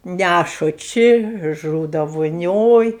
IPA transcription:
ˈnʲæʃʊ ˈt͡ʃʲɪ ˈʒuːdɐ ʋoːˈnʲoːj

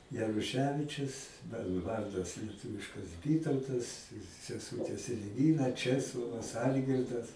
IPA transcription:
jɛrʊˈʃʲæːʋʲɪt͡ʃʲʊs ˈmɑːnoː ɪ ˈʋɐrdɐs lʲiɛˈtʊʋʲɪʃkɐs ˈʋʲiːtɐʊtɐs sʲɛˈsuːtʲeːs ɛlʲˈʋʲiːrɐ ˈt͡ʃʲæːslˠoːʋɐs ˈɐlʲɡʲɪrdɐs

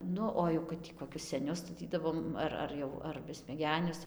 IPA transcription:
ˈnʊ oː jɛʊ kɐt ˈtʲiː koːˈkʲʊs sʲɛˈnʲʊs stɐˈtʲiːdɐʋoːm ˈɐr ɐr ˈjɛʊ ɐr bʲɛsʲmʲɛˈɡʲæːnʲʊs

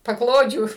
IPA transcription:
pɐˈklˠoːd͡ʒʲuː

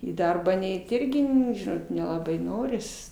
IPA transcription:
iː ˈdɐrbɑː ˈnʲɛɪt ˈɪrʲɡʲɪ ˈnʊ ˈʒʲɪnoːt nʲɛlˠɐˈbɐɪ ˈnoːrʲɪs

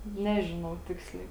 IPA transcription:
ˈnʲæːʒʲɪnɐʊ ˈtʲɪksʲlʲɛɪ

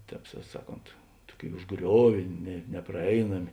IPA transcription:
ˈtʲɛːp sɐ ˈsɑːˌkoːnt ˈtuɔˌkʲeːɪ ʊʒˈɡrʲoːʋʲeː nʲɛ nʲɛprɐˈɛɪnɐmʲɪ

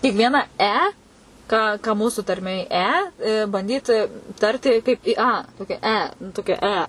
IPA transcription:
tʲɪk ˈʋʲiɛnɐ ˈɛ ˈkɑː ˈkɑː kɐ ˈmuːsʊ tɐrʲˈmʲeːj ˈɛ bɐnʲˈdʲiːt ˈtɐrʲtʲɪ kɐɪp ˈɪ ˈɐ ˈtoːkʲɛ ˈɛ nʊ ˈtoːkʲɛ ˈɛ

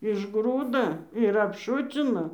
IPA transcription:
ɪʒˈɡruːdɐ ɪr ɐpˈʃʊt͡sʲɪnɐ

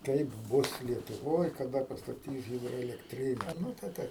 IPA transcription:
ˈkɐɪp ˈbʊs lʲiɛtʊˈʋoːj kɐˈdɐ pɐstɐˈtʲiːs ˌɣʲɪdroːɛlʲɛkˈtʲrʲɪnʲɛ ˈnʊ tɐɪ tɐɪ

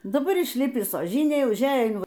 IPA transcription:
dɐˈbɐr ɪʃʲˈlʲɪpʲɪs oːˈʒʲɪnʲeːj ʊʒʲˈæːjɛ ɪn

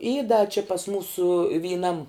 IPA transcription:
iː dɐ t͡ʃʲɪ pɐs ˈmuːsʊ ʋʲiːˈnɐm

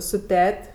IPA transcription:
sʊ ˈtʲɛtʲ

